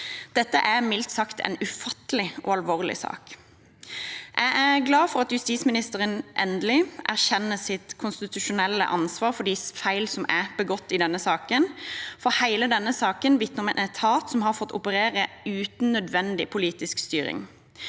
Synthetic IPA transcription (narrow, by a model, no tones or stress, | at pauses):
d̪̥ɛt̪ːəʔæʁmɪlt̪sɑkt̪ʰɛ̰nʉfɑt̪əlɪʔo̰ːɑlʋoːʁlɪ̰sɑ̰ːk | ʔæɡæʁɡlɑːfɔʁɑt̪jʉst̪iːsmɪnɪst̪əʁənʔɛnd̪əlɪʔæʁçɛnːəsɪt̪kʰʊnst̪ɪt̪ʉʃʊnɛlːə̰ʔɑnsʋɑːʁfɔɖ̪isfæɪlsɔmæbəɡɔt̪ːɪd̪ɛnːəsɑːkənfɔhæɪləd̪ɛnːəsɑːkənʋɪt̪nəʁɔmɛnɛt̪ʰɑːt̪sɔmhɑʁfɔt̪ːʊ̰pəɾeːʁə | ʉːt̪n̩nːœd̪ʋɛnd̪ɪ̰pʰʊliːt̪ɪskst̪yːɾɪ̰ŋ